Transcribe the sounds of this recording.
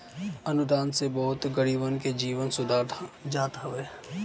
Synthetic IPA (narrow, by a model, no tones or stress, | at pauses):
ɐnʊd̪aːnsebɔːʊt̪ɡəɽiːbənked͡ʒiːʋənsʊd̪ʱaːɾd͡ʒaːt̪aɦeː